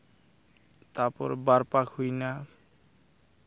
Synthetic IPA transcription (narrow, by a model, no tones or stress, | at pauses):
t̪aɾpɔɾbaɾpakhujna